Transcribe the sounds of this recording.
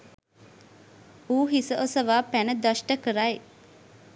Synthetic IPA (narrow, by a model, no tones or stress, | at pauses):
uːɦisəʔosəʋaːpænəd̪aʃʈəkəɾaj